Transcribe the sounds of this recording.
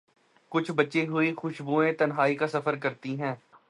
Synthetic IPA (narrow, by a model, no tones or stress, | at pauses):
kʊt͡ʃʰbɐtːʃeɦʊixʊʃbuːẽt̪ɐnɦaːikasɐfəɾkɐɾt̪iɦɛ̃ː